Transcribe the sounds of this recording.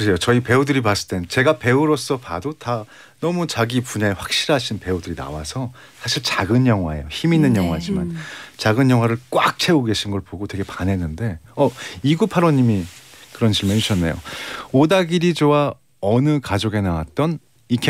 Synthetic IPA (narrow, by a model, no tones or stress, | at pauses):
kɯsʰejot͡ɕʌipe̞udɯɾipas͈ɯt͈e̞nt͡ɕe̞ɡape̞uɾos͈ʌpadota | nʌmut͡ɕaɡipuɲaeɸwak̚ɕ͈iɾɦaɕʰinpe̞udɯɾina̰wa̰sʰʌ | sʰaɕʰiɭt͡ɕaɡɯnjʌŋɦwae̞̰joçiminːɯnjʌŋɦwad͡ʑima̰nt͡ɕaɡɯnjʌŋwaɾɯɭk͈wak̚t͡ɕʰe̞oɡe̞ɕʰinɡʌɭpoɡotwe̞ɡe̞panɦe̞nːɯnde̞ʌiɡupʰaɾʌɲimikɯɾʌnt͡ɕiɭmeuɕʰʌnːe̞jo̰odaɡiɾid͡ʑowa | ʌnɯkad͡ʑoɡe̞nawat̚t͈ʌn | ikʰ